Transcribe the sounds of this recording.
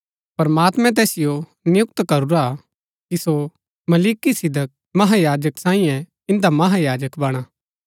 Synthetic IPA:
pɐɾmaːt̪mɛ̃t̪̬ɛːsɪjo | nɪjʊkt̪kɐɾuɾa | kiso | mɐliːkisɪd̪ək̚ | mɐɦajaːd͡ʒəksãːĩjɛ̃ | ɪ̃nd̪amɐɦajaːd͡ʒəkbɐɽ̃aː

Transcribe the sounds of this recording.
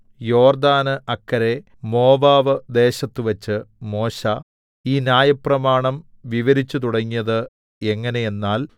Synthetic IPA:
jo̞ːrd̪aːnɨʔɐkːɐɾe̞ | mo̞ːʋaːʋɨd̪e̞ːɕɐt̪ːuʋɐt͡ɕːɨmo̞ːɕɐ | iːnjaːjɐprɐmaːɳɐm | ʋiʋɐɾit͡ɕːut̪̬uɽɐŋːijɐðɨ | e̞ŋːɐne̞je̞nːaːl

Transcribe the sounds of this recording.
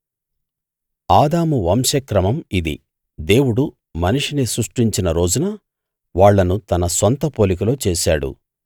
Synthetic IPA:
aːd̪aːmuʋɐmʃɐkɾɐmɐmid̪ḭ | d̪e̞ːwuɽu | mɐniʂinisɾuʂʈiɲt͡ʃinɐɾo̞ːd͡ʒunɐ | ʋaːɭːɐnut̪ɐnɐsʋɐnt̪ɐpo̞ːlik̬ɐlo̞ːt͡ʃeːʃaːɽṵ

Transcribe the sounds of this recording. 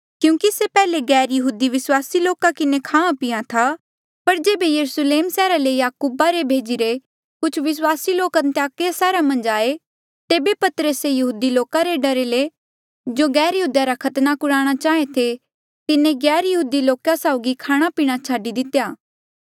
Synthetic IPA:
kjũːkisepɛːleɡɛːɾjɐɦuːd̪iʋɪswaːsiloːkakɪnekʰaːãpɪjat̪ʰa | pɐɾd͡ʒeːbejɐɾusleːmsɛːɾalejaːkuːbaɾebʱeːd͡ʒiɾe | kʊt͡ʃʰʋɪswaːsiloːkənt̪ejaːkjasɛːɾamɐ̃nd͡ʒaːe | t̪eːbepɐt̪ɾəsejɐɦuːd̪iloːkaɾeɖɐɾele | d͡ʒoɡɛːɾjɐɦuːd̪jaɾakʰɐt̪nakʊɽaːɽ̃at͡ʃaːet̪ʰe | t̪ɪnẽɡɛːɾjɐɦuːd̪iloːkasaːʊɡikʰaːɽ̃apiːɽ̃at͡ʃʰaːɖid̪ɪt̪ejaː

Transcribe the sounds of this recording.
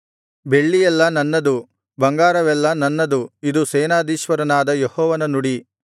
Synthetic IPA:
be̞ɭːijɛlːɐnɐnːɐd̪u | bɐŋɡaːɾɐʋɛlːɐnɐnːɐd̪uid̪useːnaːd̪iːʃʋɐɾɐnaːd̪ɐjehɔːʋɐnɐnuɽi

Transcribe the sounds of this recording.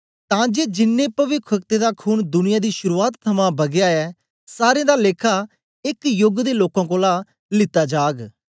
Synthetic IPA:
t̪ãːd͡ʒeːd͡ʒɪnːẽːpəʋɪkʰək̚t̪ed̪aːkʰuːnd̪ʊnɪjaːd̪iːʃʊɾuːaːt̪ʰːəmãːbɐɡjaːɛː | saːɾẽːd̪aːleːkʰaː | ɪkjʊɡd̪eːloːkãːkõːlaː | lɪt̪aːd͡ʒaːɡ

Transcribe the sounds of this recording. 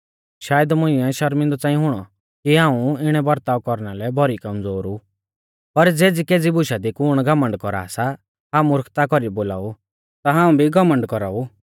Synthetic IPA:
ʃaːjəd̪mʊ̃ɪ̃ɛʃɐɾmɪ̃nd̪ɔt͡sãːĩɦʊɽ̃ɔ | kiɦãːũɪɽ̃ɛbɐɾt̪aːʋkɔɾnalɛbʱɔɾikɐmd͡zoːɾu | pɐɾd͡zeːd͡zikeːd͡zibʊʃad̪ikʊɽ̃ɡɐmə̃ɳɖkɔɾa̰ːsa | ɦaːmuɾəkʰt̪akɔɾiboːla̰ːu | t̪aɦaːũbʱiɡɐmə̃ɳɖkɔɾaːu

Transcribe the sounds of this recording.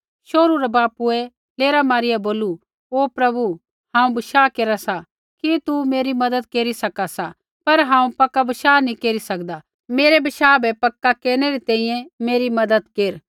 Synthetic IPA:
ʃoːɾuɾabaːpuɛ | leːɾamaːɾɪjaboːlu | oːpɾɐbu | hãːũbɪʃaːkeːɾasa | kit̪umeːɾimɐd̪əd̪̚keːɾisɐkasa | pɐɾɦãːũpɐkːabɪʃaːnĩkeːɾisɐkd̪a | meːɾebɪʃaːbɛpɐkːakeːɾñɛɾit̪ɛ̃ːĩjɛ̃meːɾimɐd̪əd̪keːɾ

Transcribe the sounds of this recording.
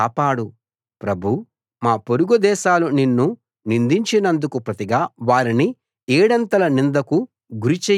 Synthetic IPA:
aːpaːɽu | pɾɐbʱu | maːpoɾuɡud̪ɛːʃaːluninːu | nind̪iɲt͡ʃinɐnd̪ukupɾɐt̪iɡaːʋaːɾini | ɛːɽɐnt̪ɐlɐnind̪ɐku | ɡuɾit͡ʃɛː

